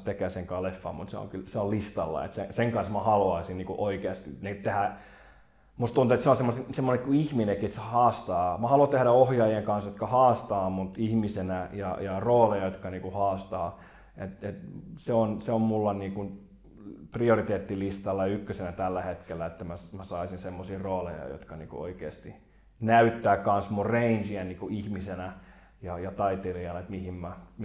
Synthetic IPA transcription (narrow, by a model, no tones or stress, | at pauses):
t̪ekeːseŋkɑlefːɑ̰mmṵt̪sḛo̰ŋkylseollist̪ɑlːɑ̰ḛt̪seseŋkɑnsmæhɑluɑisinniːkṵʔoikeɑst̪inet̪ehæ | must̪unt̪uet̪seonsemːosisemːonekikuihminekiet̪sehɑːst̪ɑːmɑhɑluɑt̪ehɾæohjɑijeŋkɑnsjot̪kɑhɑːst̪ɑːmut̪ihmisenæjɑ̰jɑroːlejɑjot̪kɑniːkuhɑːst̪ɑː | et̪et̪seonseommulːɑnniːkun | priorit̪eːt̪ːilist̪ɑlːɑjɑykːøsenæt̪ælːæhet̪kelːæet̪ːæmæsmæsɑisinsemːosiːroːlḛjɑ̰jo̰t̪kɑnḭːkṵo̰ikḛːst̪i | næyt̪ːæːkkɑnsmurreind͡ʒiænniːkuihmisenæ | jɑjɑt̪ɑit̪eriɑnet̪mihimmæ